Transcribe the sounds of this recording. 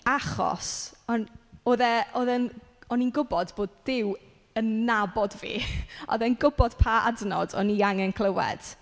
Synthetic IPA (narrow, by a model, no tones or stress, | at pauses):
aχɔ̰sɔnoːðɛoðɛnɔninɡʊbɔdboːdːɪw | ənːabɔdvḭːɔ̰ðɛnɡʊbɔd̥pʰaa̰dnɔ̰dɔ̰niaŋɛnkʰl̥ˠəwɛ̰d̥